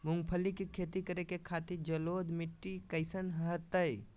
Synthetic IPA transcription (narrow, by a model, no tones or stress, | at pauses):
mʊŋɡpʰəlikikʰet̪ikəɾekekʰaːt̪id͡ʒəloːd̪miʈːikəɪsənɦəɦət̪ːəj